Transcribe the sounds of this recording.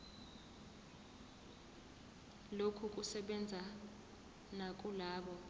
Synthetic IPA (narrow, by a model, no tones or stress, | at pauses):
lokʰuk̬ʼusɛɓɛnd͡zʱa | nak̬ʼulaːɓɔ